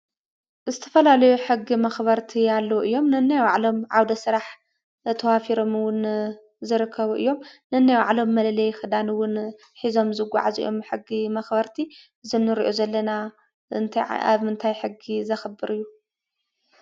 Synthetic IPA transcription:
zɨt̪ʰɐfɐlalɐjuħɨɡːimɐxbɐɾt̪ʰialːɐwʔɨjːo̞mnɨnːajwʕlo̞mʕawd̪ɐsɨɾaħ | t̪ʰɐwafiɾo̞mɨwʊn | zɨɾɨkʰːɐβuʔɨ̰jːo̞mnɨɨnːajwaʕlo̞mːɐlɐlɐjxɨd̪anɨwʊn | ħizo̞mzɨɡʷa̰ʕazḭjʔo̞mħɨɡimɐxbɐɾt̪ʰi | zɨnːɨɾiʔozɐlːɐna | ɨnt̪ʰa̰βmɨnt̪ʰajħɨɡizɐxɐbɨɾʔɨjːu

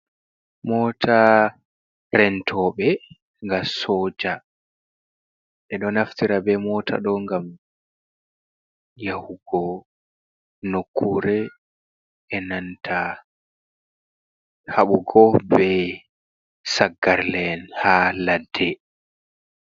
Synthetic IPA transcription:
mɔːtʰa | ɾɛntʰɔɓɛ | ŋɡasɔːd͡ʒa | ʔɛɗɔnaftiɾabɛmɔːtʰa̰ɗɔŋɡam | jahuɡɔ | nokʰːuɾɛ | ɛnantʰa | haɓuɡɔbɛ | saɡːaɾlɛnhaladːɛ

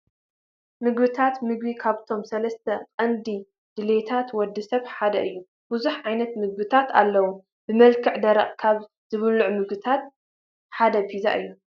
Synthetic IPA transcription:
mɨɡbɨt̪ʰat̪mɨɡbikʰaβt̪ʰo̞msɐlɐst̪ʰɐqʼɐnd̪i | d̪̥ɨlet̪ʰat̪wɔd̪ːɨsɐβħad̪ɐʔɨjːu | buzuħʕajnɐt̪mɨɡ̚bɨt̪ʰat̪a̰lːɐwu | bɨmɐlkʰɨʕd̪ɐɾɐχʼkʰaβ | z̥ɨβɨluʕmɨɡbɨt̪ʰat̪̚ | ħad̪ɐpʰiza̰ʔɨ̰jːu

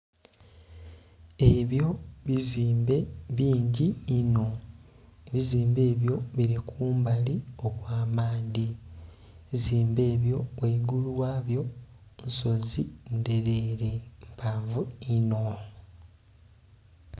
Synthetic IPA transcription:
e̞βjo̞βiziːmbe̞βiːɲɟiːno̞ | βiziːmbe̞ːβjo̞βiɾikʰuːmbalio̞βwaːmaːndi | βiziːmbe̞ːβjo̞weɡuluwaːβjo̞ | nso̞zinde̞ɾe̞ɾempaːɱvuino̞

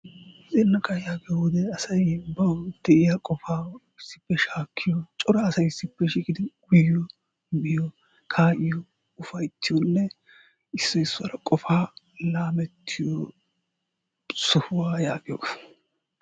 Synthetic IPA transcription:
zɛnːɐkːɐjaːɡɪjɔʊd̪ɛɐsɐjbɐwd̪̥ɛʔɪjakʼɔfaːɪsːɪ̥pːɛʃaːkʰːɪjɔt͡ʃʼɔɾɐːsɐjɪsːɪpːɛʃiːkʼɪd̪ɪɡʊjːɔ | bɪjɔ | kʰaːʔɪjɔ | ʊfɐjt̪ːɪjɔnːɛ | ɪsːɔɪsːʊɐɾɐkʼɔfaː | laːmɛt̪ʰːɪjɔ | sʊhʊwaːjaːɡɪjɔ̰

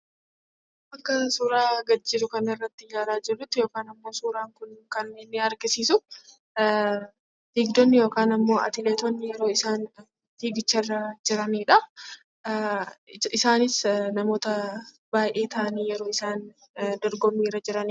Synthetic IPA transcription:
ʔɐkːɐsuːɾaːɡɐd͡ʒːɪd̪ʊkɐnɐɪrːɐt̪ːɪjaːɾaːd͡ʒɪrːʊt̪ːɪjo̞ːkaːnɐmːo̞ːsuːɾaːŋkʊnkɐnːeːnːɪɐɾɡɪsiːsʊ | fiːɡd̪ɔnːɪjo̞ːkaːnɐmːo̞ːʔɐ̰t̪ɪleːt̪ɔnːɪjɛɾo̞ːɪsaːn | fiːɡɪt͡ʃːɐrːɐd͡ʒɪɾɐniːᶑɐ | ɪsaːnɪsnɐmo̞ːt̪ɐ | b̥aːjʔe̞ːt̪ʰɐʔɐniːjɛɾo̞ːɪsaːn | d̪ɔɾɡɔmːiːɾɐd͡ʒɪɾɐniː

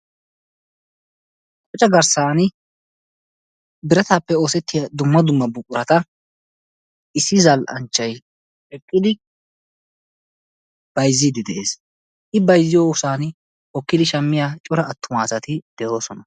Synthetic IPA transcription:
kʼɔt͡ʃʼːɐɡɐɾsaːn | bɪɾɐt̪aːpːɛo̞ːsɛt̪ːɪjɐd̪ʊmːɐd̪ʊmːɐbʊkʼːʊɾɐt̪ɐ | ɪsːɪzɐlʔɐ̰nt͡ʃːɐj | ɛkʼːɪd̪ɪ | b̥ɐjzːɪd̪ɪd̪ɛʔe̞̰ːs | ʔɪbɐjzːɪjoːʊsaːn | hɔkːɪd̪ɪʃɐmːɪjaːt͡ʃʼʊɾɐːt̪ːʊmaːsɐt̪ɪd̪̥ɛjo̞ːsɔnɐ

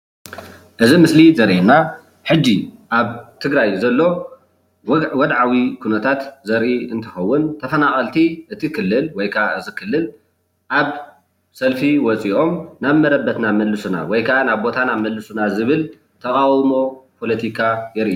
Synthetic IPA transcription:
ʔɨzimɨslizɐɾʔena | ħɨd͡ʒːiʔaβt̪ʰɨɡɾajzɐlːo̞ | wɔd̪ʕawikʰunɐt̪ʰat̪zɐɾʔiɨnt̪ʰɐxɐwːʊnt̪ʰɐfɐnaχʼɐlt̪ʰiʔɨt̪ʰikʰɨlːɨlwɔjkʰaʔaʔɨzikʰɨlːɨl | ʔaβ | sɐlfiwɔt͡sʼiʔo̞mnaβmɐɾɐbːɐt̪namɐlːɨsuna̰wɔjkʰaʔanaβbo̞t̪ʰanamɐlːɨsunazɨβɨl | t̪ʰɐχʼawmo̞pʰo̞lɐt̪ʰikʰajɛɾʔiu

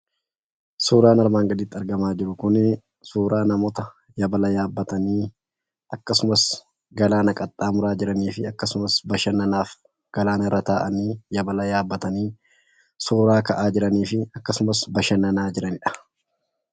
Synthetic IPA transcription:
suːɾaːnɐɾmaːŋɡɐd̪ɪːt̪ːɐɾɡɐmaːd͡ʒɪɾʊkʊn | suːɾaːnɐmɔt̪ɐ | jɐbɐlɐjaːbːɐt̪ɐniː | ɐkːɐsʊmɐs | ɡɐlaːnɐkʼɐt̪ʼːaːmʊɾaːd͡ʒɪɾɐniːfɪɐkːɐsʊmɐsbɐʃɐnɐnaːf | ɡ̥ɐlaːnɐɾɐt̪aːʔɐniːjɐbɐlɐjaːbːɐt̪ɐniː | suːɾaːkɐʔaːd͡ʒɪɾɐniːfɪɐkːɐsʊmɐsbɐʃɐnɐnaːd͡ʒɪɾɐnɪᶑɐ̥

